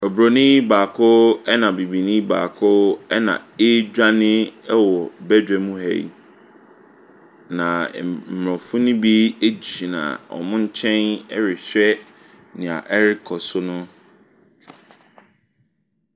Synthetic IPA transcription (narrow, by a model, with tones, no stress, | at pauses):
ɔ˨bɾo˨nĩ˦baː˨kʰʊ˦ɛ˦nã˨bi˨bi˨nĩ˦ba̰ː˨kʰʊ˦ɛ˦nã̰˨ɪ˦d͡ʑᶣa˦nɪ̃˦ɛ˦wɔ˨bɛ˦dᶣɛ˨mũ˦hɛ̰˨ḭ˨ | nã˨m̩˨m˨ɾɔ̃˨fʊ̃˦nʊ̃˦bi˦e˦d͡ʑi˨nã̰˨ɔ̰˨mʊ̃˦ɲ̩˦t͡ɕʰɛ̃˦nɛ˦ɾɪ˨ɕᶣɛ˦ | nɪ̃˨a̰˨ʔɛ˦ɾɪ˦kʰɔ˨sʊ˦nʊ̃˦